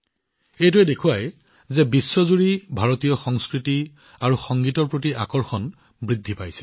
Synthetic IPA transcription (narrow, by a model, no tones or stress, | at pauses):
ejtuɛdekʰʊwaj | zɛbisːɔzuɹibʱaɹɔtijɔxɔŋskɹiti | aɹuxɔŋɡitɔɹpɹotiʔa̰kɔɹxɔn | bɹidʱːipajsɛ̥